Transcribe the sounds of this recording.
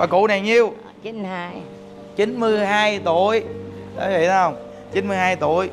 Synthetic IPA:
vaː˨˩kṵ˧˥na˨˩jɲi˧əw | t͡ɕi˨˦nhaː˧j | t͡ɕi˨˦nmɨ˧əjɦaː˧jt̪u˧˨əjɗa̰˨˦vḭ˧˨t̪ʰːhə˧wŋ͡m | t͡ɕi˨˦nmɨ˧əjɦaː˧jt̪u˧˩əj

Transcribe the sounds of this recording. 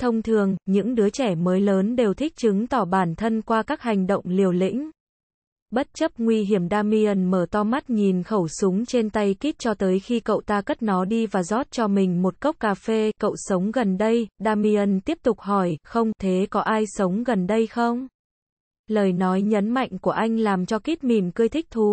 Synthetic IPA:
t̪ʰə˧wŋ͡mt̪ʰɨ˨˩əŋɲɨ̰˧˥ŋɗɨ˨˦ət͡ɕɛ˧˩məː˨˦jləː˨˦nɗe˨˩wt̪ʰï˦˥k̟̚t͡ɕɨ˨˦ŋt̪ɔ˧˩ɓaː˧˩nt̪ʰə˧nkwaː˧kaː˦˥k̚ɦa˨˩jŋ̟ɗə̰˧˨wŋ͡mli˨˩əwlḭ˧˥ŋ̟ | ɓə˦˥t̚t͡ɕə˦˥p̚ŋwi˧ɦi˧˩əmɗaː˧mi˧ə˧nməː˧˩t̪ɔ˧ma˦˥t̚ɲi˨˩nxə˧˩wsʊ˨˦ŋ͡mt͡ɕe˧nt̪a˧jki˦˥k̚t͡ɕɔ˧t̪əː˨˦jxi˧kə̰˧˨wt̪aː˧kə˦˥t̚nɔ˨˦ɗi˧vaː˨˩zɔ˦˥t̚t͡ɕɔ˧mï˨˩ŋ̟mo˨˩t̚kə˦˥wk͡p̚kːaː˧fe˧kə̰˧˨wsə˨˦wŋ͡mɣə˨˩nɗə˧jɗaː˧mi˧ə˧nt̪i˦˥əp̚t̪ʊ˨˩k͡p̚hɔ˧˩jxə˧wŋ͡mt̪ʰe˨˦kɔ˨˦ʔaː˧jsə˨˦wŋ͡mɣə˨˩nɗə˧jxə˧wŋ͡m | ləː˨˩jnɔ˨˦jɲə˨˦nma̰˧˨jŋ̟ku˧˩əʔa˧jŋ̟laː˨˩mt͡ɕɔ˧ki˦˥t̚mi˨˩mkɨ˧əjt̪ʰï˦˥k̚t̪ʰu˨˦

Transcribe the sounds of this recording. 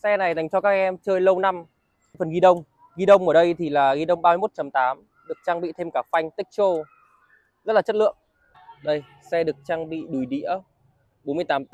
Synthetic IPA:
sɛ˧na˨˩jza˨˩jŋ̟t͡ɕɔ˧kaː˦˥k̚ʔɛ˧mt͡ɕəː˧jlə˧wna˧m˧ | fə˨˩nɣi˧ɗə˧wŋ͡m | ɣi˧ɗə˧wŋ͡mʔəː˧˩ɗə˧jt̪ʰi˨˩laː˨˩ɣi˧ɗə˧wŋ͡mɓaː˧jmo˦˥t̚t͡ɕə˨˦mt̪aː˨˦m | ɗɨ˨˩ək̚t͡ɕaː˧ŋɓḭ˧˨t̪ʰe˧mkaː˧˩fa˧jŋ̟t̪ï˦˥k̟̚t͡ɕo˧ | zə˦˥t̚laː˨˩t͡ɕə˦˥lɨ̰˧˨əŋ | ɗə˧j | sɛ˧ɗɨ˨˩ək̚t͡ɕaː˧ŋɓḭ˧˨ɗu˨˩jɗḭ˧˥ə | ɓo˨˦nmɨ˧əjt̪aː˨˦m

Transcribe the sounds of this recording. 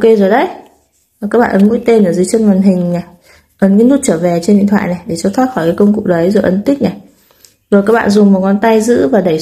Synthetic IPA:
ke˧zo˨˩jɗə˨˦j | zkaː˦˥k̚ɓa̰ː˧˨ʔə˨˦nmṵ˧˥jt̪e˧nʔəː˧˩zɨ˨˦t͡ɕə˧nmaː˨˩nɦï˨˩ŋ̟na˨˩ | ʔə˨˦nkaː˨˦jnu˦˥t̚t͡ɕəː˧˩vɛ˨˩t͡ɕe˧nɗḭ˧˨nt̪ʰa̰ː˧˨jna˨˩jɗe˧˩t͡ɕɔ˧t̪ʰwaː˦˥t̚xɔ˧˩jkaː˨˦kə˧wŋ͡mkʊ̰˨˩k͡p̚ɗə˨˦jzo˨˩ʔə˨˦nt̪ï˦˥k̚na˨˩j | zo˨˩kaː˦˥k̚ɓa̰ː˧˨zʊ˨˩ŋ͡mmo˨˩t̚kɔ˨˧˦nt̪a˧jzɨ̰˧˥vaː˨˩ɗə˧˩j

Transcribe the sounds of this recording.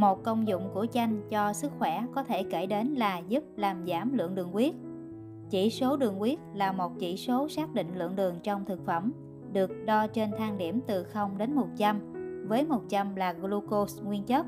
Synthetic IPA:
mo˨˩t̚kə˧wŋ͡mzʊ̰˧˨ŋ͡mku˧˩ət͡ɕa˧jŋ̟t͡ɕɔ˧sɨ˦˥k̚xwɛ˧˩kɔ˨˦t̪ʰe˧˩ke˧˩ɗe˨˦nlaː˨˩zu˦˥p̚laː˨˩mzaː˧˩mlɨ̰˧˨əŋɗɨ˨˩əŋkwi˦˥ət̚ | t͡ɕi˧˩so˨˦ɗɨ˨˩əŋkwi˦˥ət̚laː˨˩mo˨˩t̚t͡ɕi˧˩so˨˦saː˦˥k̚ɗḭ˧˨ŋ̟lɨ̰˧˨əŋɗɨ˨˩əŋt͡ɕɔ˧wŋ͡mt̪ʰɨ˨˩k̚fə˧˩m | ɗɨ˨˩ək̚ɗɔ˧t͡ɕe˧nt̪ʰaː˧ŋɗi˧˩əmt̪ɨ˨˩xə˧wŋ͡mɗe˨˦nmo˨˩t̚t͡ɕa˧mvəː˨˦jmo˨˩t̚t͡ɕa˧mlaː˨˩ɣlu˧ko˧sŋwi˧ənt͡ɕə˦˥t̚

